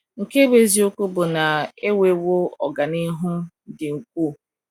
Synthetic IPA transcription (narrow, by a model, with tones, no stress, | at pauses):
ŋ̩˨ke˦be˨zi˦ʊ˦kʷʊ˦bʊ˨na˨e˦we˨wo˦ɔ˨ɡa˨nɪ˦ɦʊ˦ | dɪ˨ŋ̩˨k̚ʷu˦˨